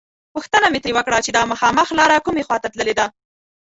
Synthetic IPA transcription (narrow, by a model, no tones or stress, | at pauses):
puxt̪ənamet̪ɾewəkɽat͡ʃed̪ɑməxɑməxlɑɾakumexwɑt̪at̪ləled̪a